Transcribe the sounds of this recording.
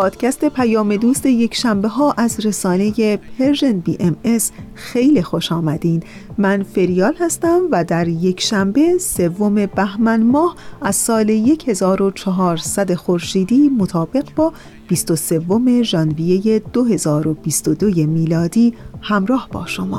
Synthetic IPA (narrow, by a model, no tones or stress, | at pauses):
pʰɒːd̪̥cʰæst̪e̞pʰæjɒːme̞d̪uːst̪e̞je̞kʰʃæmbe̞ɦɒːʔæzɾe̞sɒːne̞je̞pʰe̞ɾʒenbiːʔeme̞s | xe̞jlixo̞ʃɒːmæd̪iːn | mænfe̞ɾijɒːlhæst̪æmvæd̪æɾje̞cʰʃæmbe̞se̞vːo̞me̞bæhmænmɒːhʔæz̥sɒːleje̞cʰhe̞zɒːɾo̞t͡ʃʰɒɦɒːɾsæd̪e̞xoɾʃiːd̪iːmot̪ʰɒːbe̞ɣbɒː | b̥ist̪o̞se̞vːo̞me̞ʒɒnvije̞je̞d̪̥oɦe̞zɒːɾo̞b̥ist̪od̪oje̞miːlɒːd̪iːhæmɾɒːhb̥ɒ̰ːʃomɒ̰ː